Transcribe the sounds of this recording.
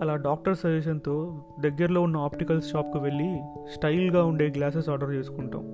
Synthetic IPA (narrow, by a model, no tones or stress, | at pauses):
ɐlaːɖaːk̚ʈɐɾsɐɾʋeːʃ̬ɐnt̪o̞ː | d̪ɐɡːɐɾɐlo̞ːunːɐaːpʈikɐlsʃaːp̚kuʋe̞ɭːisʈɐjlɡaːuɳɖe̞ːɡlaːs̬esaːɾɖɐɾt͡ʃe̞ːsu̥kuɳʈa̰ːm